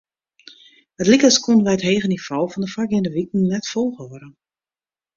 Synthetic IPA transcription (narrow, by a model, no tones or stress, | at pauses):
ətlikəskonəʋɛjətɦeːɣənifoːfɔndəfakɪndəʋik̚n̩nɛtfolˠɣəɾə